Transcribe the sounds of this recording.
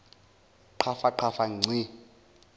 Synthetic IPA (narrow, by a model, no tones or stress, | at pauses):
ǃʰafaǃʰafaŋ͡ǀi